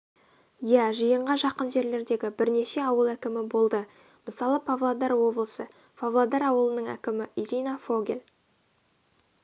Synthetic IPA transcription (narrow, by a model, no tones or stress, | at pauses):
jæʒijəɴʁɑʒɑqənʒe̞ɾle̞ɾd̪e̞ɡʲɪbɪɾne̞ʃe̞ɑwəlˠækʲɪmɪbo̞lˠd̪ə | məsɑlˠəpʰavlˠad̪ɑɾwo̞blˠəsə | pʰavlˠad̪ɑɾɑwəlˠənəɴæ̰kʲɪmɪʔiɾʲijnafoɡʲel